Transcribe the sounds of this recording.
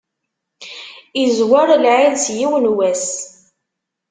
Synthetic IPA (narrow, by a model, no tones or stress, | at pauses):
izwaɾˤlʕilsjiwnwæs